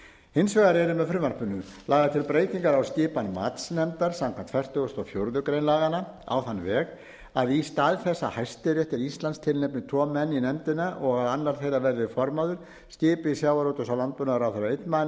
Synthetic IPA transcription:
hɪnsvɛɣaɾɛɾʏmɛðfɾʏːmaɾ̥pʏnʏlaːɣat̪ʰɪlpɾeːjt̪iŋkaɾawscɪːpanma̰ːt̪snɛmt̪aɾ̥samkʰant̪fvɛr̥t̪œɣʏst̪ɔfjowɾðʏkɾejnlaːɣana | a̰wθanːvɛːɣ | aðist̪aðθɛsːahajst̪ɪɾɛht̪ɪɾist̪lanst̪ʰɪlnɛjpnɪt̪ʰɔmɛnːinɛmt̪ɪnaʔɔɣaðanːaɾ̥θejravɛɾðɪfɔɾmaðʏɾ̥ | scɪːpɪisjawaɾowt̪ʏsawlant̪̚pʏnaɾawθɛɾaejt̪nman

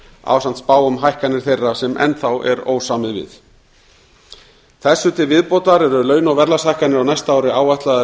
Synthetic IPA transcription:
a̰wsant̪spaːwʏmɦajhkanɪɾ̥θejrːasɛmɛ̰nːθawʔɛ̰ɾo̰ːwsaːmɪðvɪ̰ð | θɛsːʏt̪ʰɪlvɪðpɔːt̪aɾɛɾʏlœːɥnawvɛɾlashajhkanɪɾawnajst̪aaːwɾɪaːwvajht̪laða

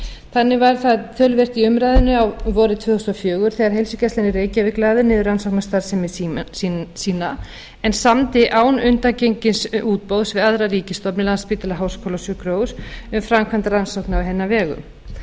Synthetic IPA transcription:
θanːɪvaɾθaðt̪ʰœlvɛr̥t̪iʏmɾaːjðɪnːʏawvɔːɾɪt̪ʰvœːθʏst̪ɔfjœːɣʏɾ̥θɛːɣaɾ̥hejlsʏcɛslɛnːɪreːjcavɪklaːðɪnɪðʏransowknast̪aɾsɛmssiːna | ɛnsamt̪ɪʔaːwnʏnt̪acejɲcɪnsuːt̪̚powðsvɪðaðɾariːcɪst̪ɔpnɪlanspiːt̪ɪlaɦaːwskʰɔlosjʏkɾoːwɾʏmfɾamkʰvant̪aransowknɪawɦɛnːavɛːɣʏ̰m

